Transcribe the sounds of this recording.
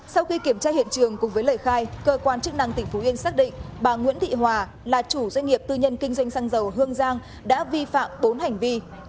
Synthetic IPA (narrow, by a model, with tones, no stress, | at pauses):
sa˧wxi˧ki˧˩əmt͡ɕaː˧hḭ˧˨ənt͡ɕɨ˨˩əŋkʊ˨˩ŋ͡mvəː˨˦jləː˧˩jxaː˧jkəː˧kwaː˧nt͡ɕɨ˦˥k̚na̰˧˩ŋt̪ï˧˩ŋ̟fu˨˦ʔi˧ənsaː˦˥k̚ɗḭ˧˨ŋ̟ɓaː˨˩ŋwḭ˧˥ənt̪ʰḭ˧˨ɦwaː˨˩ | laː˨˩t͡ɕu˧˩zwa˧ŋ̟ŋi˨˩əp̚t̪ɨ˧ɲə˧nkï˧ŋ̟zwa˧jŋ̟saː˧ŋzə˨˩wɦɨ˧əŋzaː˧ŋ | ɗa̰ː˧˥vi˧fa̰ː˧˨mɓo˨˦nɦa˨˩jŋ̟vi˧